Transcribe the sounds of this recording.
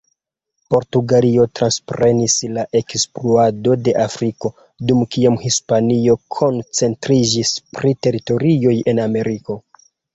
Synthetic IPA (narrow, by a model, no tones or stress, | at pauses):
po̞ɾtuɡalio̞tɾanspɾe̞nislaʔe̞kspluado̞de̞ʔafɾiko̞ | dumkiamhispanio̞kʰo̞nt͡se̞ntɾid͡ʒispɾite̞ɾito̞ɾio̞je̞name̞ɾiko̞